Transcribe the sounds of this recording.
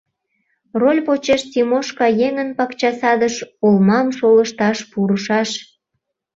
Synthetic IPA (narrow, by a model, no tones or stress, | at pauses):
rolʲpot͡ɕeʃt̪imoʃkɑjeŋənpɑkt͡ɕɑsɑd̪əʃolmɑmʃoləʃt̪ɑʃpuɾəʃɑʃ